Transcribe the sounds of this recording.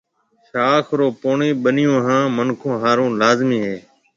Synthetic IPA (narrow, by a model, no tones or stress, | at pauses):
ʃaːkʰɾoːpoːɳiːɓənɪjõːɦãːmənkʰõːɦaːɾõːlaːzmiːɦeː